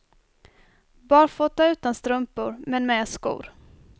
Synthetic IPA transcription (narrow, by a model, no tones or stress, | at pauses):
bɑːɾfɔt̪ːaʉ̟ːt̪anst̪ɾɵmpʊɾmɛnmɛːskṵːɾ